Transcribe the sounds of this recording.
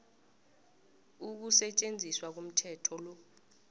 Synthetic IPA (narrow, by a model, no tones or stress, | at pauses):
uk̬usɛt͡ʃʼend͡zʱiswak̬um̩tʰɛtʰɔlɔ